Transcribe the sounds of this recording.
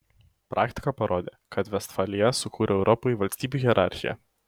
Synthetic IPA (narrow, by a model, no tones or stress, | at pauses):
pɾʔɑːkt̪ʲɪ̥kɑpɐɾoːd̪ʲeːkɐt̪ʋʲɛst̪fɑːlʲɪjɛsʊkuːɾʲʔɛɛʊɾʔɔpoiʋɐlʲsʲt̪ʲiːbʲuɣʲɛɾʔɑ̰ˑɾʲxʲɪjɛ̰